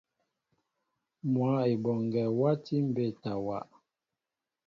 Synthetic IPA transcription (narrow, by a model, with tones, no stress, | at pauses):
mwa˨˦e˨bɔ˨ŋ˨ɡɛ˨wa˦ti˦m̩˦˨be˦˨ta˨wa˨ʔ